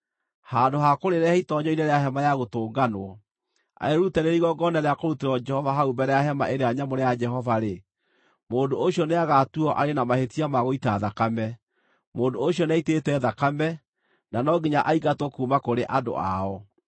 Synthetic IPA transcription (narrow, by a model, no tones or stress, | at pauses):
hadohakoɾeɾɛitɔɲɔineɾeaɦɛmajaɣotoːɡanoɔ | a̰eɾutɛɾeɾiɣɔɡɔnaɾeakoɾuteɾɔd͡ʒɛhɔvaɦaubɛɾɛjahɛma̰ʔeɾeaɲamoɾejad͡ʒɛɦɔvaɾe | moːndooɕiɔneaɣatuɔʔaɾenamahetiamaɣoitaðakamɛ | moːndoːɕjɔnɛitetɛðakamɛ | nanɔɡeɲaʔaiɡatwɔkumakoɾeʔado̰a̰ɔ